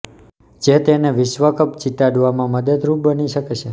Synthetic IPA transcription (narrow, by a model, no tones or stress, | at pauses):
d͡ʒet̪eneʋɪʃʋəkəpt͡ʃiʈ̪aɖʋamãməd̪əd̪ɾup̚bəniʃəket͡ʃʰe